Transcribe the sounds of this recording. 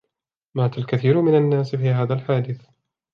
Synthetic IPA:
maːt̪alkaθiːɾʊmɪnanːaːsfiːhaːðalħaːd̪ɪθ

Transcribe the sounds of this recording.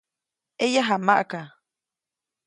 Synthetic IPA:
ejaɦamaʔka

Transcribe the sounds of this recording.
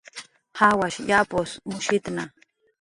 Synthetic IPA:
hawaʃjaposmʊʃɪt̪na

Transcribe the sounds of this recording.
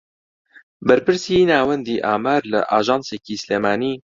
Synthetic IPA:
bɛɾpɨɾsiːnaːwɛnd̪iːʔaːmaːɾlɨ̰ʔaːʒɑːnseːciːsleːmaːniː

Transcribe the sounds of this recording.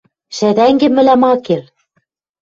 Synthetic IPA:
ʃæðæŋɡɘ̆mɘ̆læmɑker

